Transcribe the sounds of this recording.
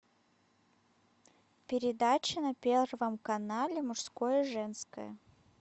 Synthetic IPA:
pʲɪɾʲɪd̪at͡ɕɪnɐpʲervəmkɐnalʲɪmʊʂskojəʐɛnskə̰jə

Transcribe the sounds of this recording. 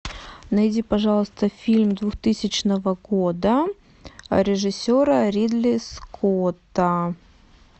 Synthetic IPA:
nɐjdʲipɐʐɑlˠəst̪əfʲilʲmd̪vuxt̪ɨsʲɪt͡ɕnəvəɡod̪ə | ɾʲɪʐɨsʲoɾəɾʲid̪lʲɪskʰot̪ə

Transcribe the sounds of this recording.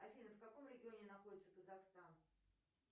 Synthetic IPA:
ɐfʲinəfkɐko̞mɾʲɪɡʲɪo̞nʲɪnɐxo̞dʲɪt̪səkəzɐxst̪an

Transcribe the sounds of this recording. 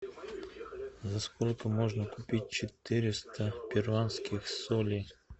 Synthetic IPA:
zaskolʲkəmoʐnəkʊpʲit̚ʲt͡ɕɪt̪ɨɾʲɪst̪əpʲɪrvanskʲɪxsolʲi

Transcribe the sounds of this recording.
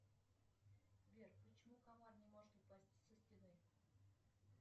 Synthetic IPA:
vʲerpət͡ɕɪmukavarnʲɪmoʐɨt̪ɨpasʲtʲi̥sʲəsʲtʲɪnɨ

